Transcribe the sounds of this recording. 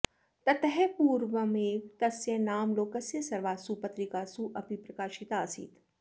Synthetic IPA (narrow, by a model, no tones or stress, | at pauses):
t̪ɐt̪ɦɛpuːɾʋəmeːt̪ɐsjenaːmloːkɐsjɐsɐɾʋaːsupɐt̪ɾikaːsuʔɐpipɾɐkaːʃit̪aːsḭːt̪